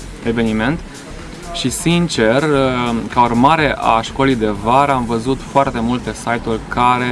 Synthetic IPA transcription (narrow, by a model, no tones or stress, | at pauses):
e̞ve̞nime̞nt̪ | ʃisint͡ʃe̞rkaurmaɾe̞ʔa̰ʃko̞lijd̪e̞vaɾamvəzut̪foart̪e̞mult̪esajt̪ulʲkaɾe